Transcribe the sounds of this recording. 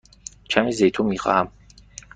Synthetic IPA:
t͡ʃʰamizɛjt̪ʰumiqʼa̰ːm

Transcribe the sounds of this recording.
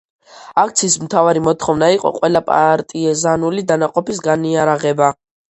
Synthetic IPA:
akʰt̪sʰiːsmt̪ʰavaɾimɔt̪ʰχɔvnaiqʼɔ̰qʼwɛlapʼa̰ɾt̪ʼiɛzanulid̪anaqʼɔpisɡaniaɾaʁɛba

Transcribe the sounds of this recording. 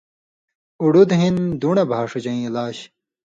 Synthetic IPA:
uɽud̪ɦind̪uɳebʱaːʂut͡ɕɐĩlaːɕ

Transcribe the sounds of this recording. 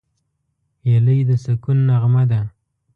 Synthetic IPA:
jaləjd̪əsakunːaʁmad̪a

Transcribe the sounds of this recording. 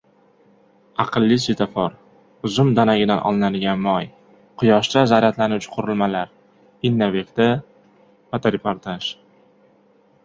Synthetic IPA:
ɑqʰɨlˠːisɪt̪ʰafɒɾ | ʊzʊmd̪anaɡʲɪd̪anʔɒ̰lˠnad̪ɪɡʲanmɒj | qʰʊjɒʃt̪azaɾat̪ʰlanʊwt͡ʃʰɪ̥qʰʊɾɪlˠmalaɾ | ɪnːavekʲt̪a | pat̪ʰaɾepoɾt̪ʰaʃ

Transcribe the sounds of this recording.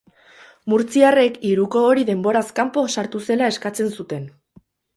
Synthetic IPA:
muɾt͡siare̞kiɾuko̞ːɾiðe̞mbo̞ɾaskampo̞saɾt̪use̞lae̞skat͡se̞nsut̪e̞n

